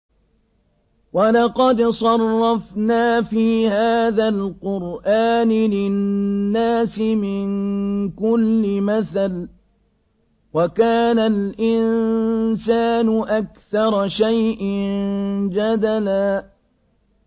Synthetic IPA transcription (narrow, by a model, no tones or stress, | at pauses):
walɑqɑd̪sˤɑrˤːɑfnaːfiːhaːðalqʊɾʔaːnɪlɪnːaːsɪmɪnkʊlːɪmaθal | wakaːnalʔɪnsaːnʊʔakθɑɾˤɑʃajʔɪnd͡ʒad̪alaː